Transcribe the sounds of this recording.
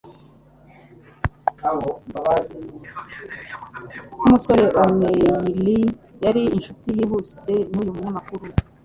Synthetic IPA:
aɦombaβazinu | umusoɾe̞ʔomelijaɾiːnʃutijiβuse̞nuːjumuɲamakuɾu

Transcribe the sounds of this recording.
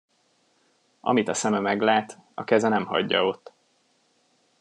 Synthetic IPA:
ʔɒ̰mit̪ɒsɛmɛmɛɡlaːt̪ɒkɛzɛnɛmhɒ̰ɟːɒ̰o̞t̪ː

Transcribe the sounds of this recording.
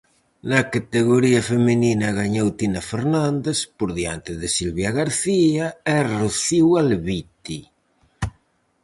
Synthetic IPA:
nakat̪eɣoɾiafemininaɣaɲowt̪inafeɾnãnd̪espoɾðjant̪eðesilβjaɣaɾθiaɛroθiwalβit̪i

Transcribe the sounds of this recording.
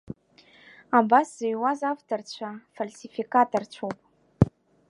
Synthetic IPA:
abasz̥eiwazavt̪ort͡ʃʷʰafalsifikat̪ort͡ʃʷʰop

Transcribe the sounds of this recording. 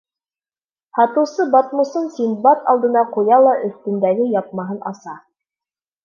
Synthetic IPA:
hɑt̪ɤ̆wsɤbɑt̪mŏsɤnsinbɑt̪ɑ̰lˠd̪ɤ̆nɑqujɑlˠɑʔɵ̆st̪ɘ̆nd̪æɡɘjɑp̪̚mɑɦɤnʔɑsɑ

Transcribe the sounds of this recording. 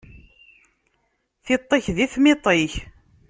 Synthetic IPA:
θɪt̪ˤːeçðiθmɪt̪ˤɪç

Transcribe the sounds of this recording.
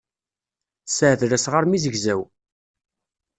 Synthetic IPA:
səʕðɾæsʁaɾmizəʝzæw

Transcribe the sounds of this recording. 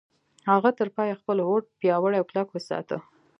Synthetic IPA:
haɣat̪əɾpɑjaxpəlwoʈ̚pjɑwəɽajawklakwəsɑ̰t̪ə̰

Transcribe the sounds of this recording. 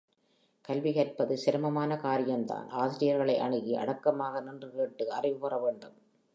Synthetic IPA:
kɐlʋɪɣɐɾpɐðɯsɪɾɯmɐmaːnɐkaːɾɪjɐmd̪a̰ːnʔaːsɪɾɪjɐɾɣɐɭɐɪʔɐɳɪɣiʔɐ̰ɽɐkːɐmaːɣɐnɪndrɯkeːʈːɯɐrɪʋɯpɐrɐʋeːɳɖɯm

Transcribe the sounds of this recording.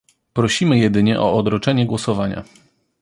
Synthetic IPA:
pɾɔɕimɘjɛd̪ɘɲɛʔɔɔd̪ɾɔt͡ʂɛɲɛɡwɔsɔvaɲa̰

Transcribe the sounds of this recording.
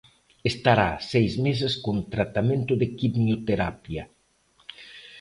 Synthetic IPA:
est̪aɾa̰sejzmes̬eskont̪ɾat̪amẽnt̪ʊðekiβnjot̪eɾapjɐ

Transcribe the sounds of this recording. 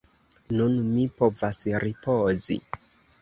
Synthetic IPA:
nunmipo̞vasɾipozḭ

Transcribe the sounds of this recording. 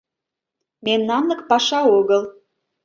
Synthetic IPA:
memnɑnləkpɑʃɑoɣəlˠ

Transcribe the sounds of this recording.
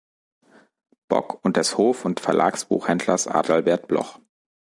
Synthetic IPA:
b̥ɔ̰kʰʊnt̚d̥ɛshoːfʊntfɛɐlʔa̰ːksb̥ṵːxhɛndlɐsʔa̰ːdl̩bɛɐt̚b̥lɔ̰χ

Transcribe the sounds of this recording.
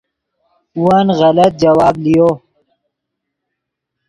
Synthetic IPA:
uwanɣɐlɐt̪̚d͡ʒɐwaːblijo

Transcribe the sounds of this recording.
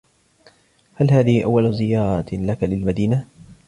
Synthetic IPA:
halhaːðɪhiʔawːalzɪjɑːɾˤɑt̪lakalɪlmad̪iːna

